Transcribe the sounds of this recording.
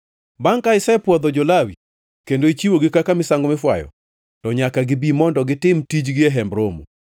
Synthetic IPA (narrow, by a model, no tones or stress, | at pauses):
baŋkaɪsɛɛpwɔd̪ɔd͡ʒolawi | kendoit͡ʃiwoɡɪkakamɪsaŋɡɔmɪfwajɔ̰ | tɔɲakaɡɪbimɔndɔɡɪtɪmtid͡ʒɡɪɛɦɛmbɾomṵ